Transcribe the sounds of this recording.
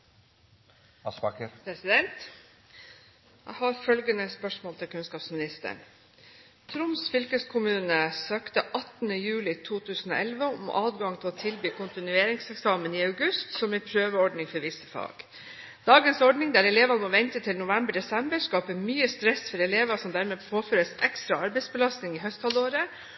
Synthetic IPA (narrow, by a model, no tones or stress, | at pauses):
pɛsɪd̪ɛnt̪ | jæ̰hɑɾfœlɡənəspœʂmoːlt̪ʰɪlkʰʉnskɑːpsmɪnɪst̪ə̰ɳ | t̪ʰɾʊmsfʏlkəskʰʊmʉːnəsøːkt̪əʔɑt̪nəjʉːlɪt̪ʰuːt̪ʰʉːsn̩o̰ːʔɛlʋəɔ̰mʔɑːd̪ɡɑŋt̪ʰɪloːt̪ʰɪlbyːkʰʊnt̪ɪnʉeːɾɪŋsɛksɑːməniːɑʉɡʉst̪sɔmɛpʰɾøːʋəɔɖɳɪŋfɔɾʋɪsəfɑ̰ːɡ̥ | d̪̥ɑːɡənsɔɖɳɪŋd̪æɾɛleːʋɑnəmɔʋɛnt̪ət̪ʰɪlnʊʋɛmbəɖɛsɛmbəɾskɑːpəmyːəst̪ɾɛsfɔɾɛleːʋɑsɔmd̪æɾmeːpʰoːføːɾəsɛkst̪ɾɑɑɾbɛɪt̪sbəlɑst̪nɪŋiːɦœst̪hɑloːɾə